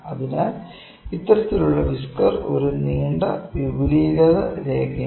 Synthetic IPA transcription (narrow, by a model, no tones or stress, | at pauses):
ɐðina | it̪ːɐɾɐt̪ːiluɭːɐʋiskɐro̞̰ɾuniːɳɖɐ̰ʋibuliːɣɐðɐ̰ɾeːɡɐ